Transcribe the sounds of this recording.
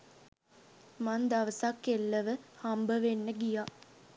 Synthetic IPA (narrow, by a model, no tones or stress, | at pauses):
mand̪ɐʋəsakːelːəʋəhambəʋenːəɡijaː